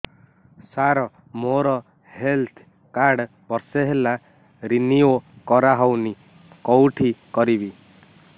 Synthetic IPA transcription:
saɾɔ | moɾɔ | helt̪ʰ | kaɾɽ | bɔɾseɦela | ɾiniokɔɾaɦɔwni | kɔwʈʰikɔɾibi

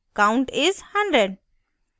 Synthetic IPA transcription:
kãʊ̃ɳʈɪzhʌ̃ɳɖɾeɖ

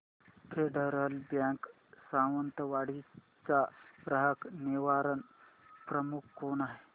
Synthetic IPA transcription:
pʰeɖəɾəlbjãŋk | sãʋənt̪əʋaɽ̤i | t͡saɾəɦəkniʋaɾən | pɾəmukʰːonaɦe

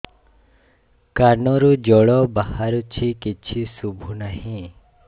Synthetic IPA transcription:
kanɔɾud͡ʒɔɭɔbahaɾut͡ʃʰikit͡ʃʰisubʱunaɦĩ

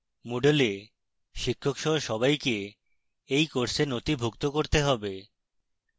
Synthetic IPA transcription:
moɖele | ʃikʰːokʃɔɦoʃɔbajke | ejkoɾsenot̪ibʱukt̪okoɾt̪eɦɔbe

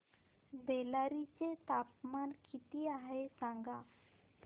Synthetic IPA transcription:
belaɾit͡set̪apmankit̪iaɦesãŋɡa | p

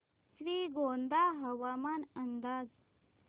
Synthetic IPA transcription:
sʋiːɡond̪aɦəʋamanənd̪aːd͡z

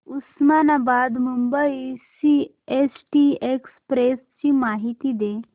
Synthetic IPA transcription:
usmanabad̪mumbəisi | esʈiekspɾest͡ɕiːmaɦit̪iːd̪e

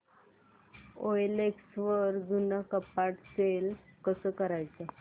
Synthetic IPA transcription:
ojleksʋəɾd͡zunakəpaʈselkəsəːkəɾajt͡sə

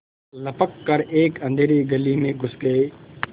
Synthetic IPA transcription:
ləpəkːəɾeːkə̃nd̪ʱeːɾeːɡəliːmẽɡʱʊskeː

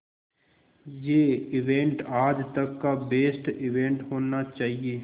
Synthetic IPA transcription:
jeːɪʋẽːɳʈaːd͡ʒt̪ɐkːabeːsʈɪʋẽːɳʈɦoːnat͡ʃaːɦieː

